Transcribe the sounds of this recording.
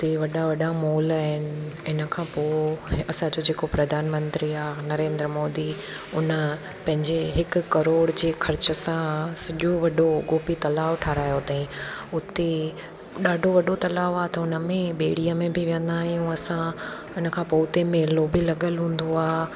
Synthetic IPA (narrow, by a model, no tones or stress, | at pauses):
ʊt̪eʋɐɗaʋɐɗamoːlaːɦɪnɪ̆ɪnə̆kʰãːpoːɐsãd͡ʑod͡ʑeːkopɾɐd̪ʱaːnmə̃nt̪ɾiaːnɐɾẽːnd̪ɾəmoːd̪i | ʊnə̆ | pɐ̃ɦɪ̃ɲd͡ʑeɦɪkʊ̆kɐɾoːɽd͡ʑeːxʰɐɾt͡ɕə̆sãsɐʄoʋɐɗoɡoːpit̪ɐlaːʋʈʰaːɾaːjot̪aĩʊt̪e | ɗaːɖʱoʋɐɗot̪ɐlaːʋaːt̪ɐʊnə̆mẽɓeːɽ̤ijamẽbɪʋijə̃nd̪aːɦijũɐsã | ɪnə̆kʰãːpoːʊt̪emẽːloːbilɐɠəlɦũːn̆d̪oaː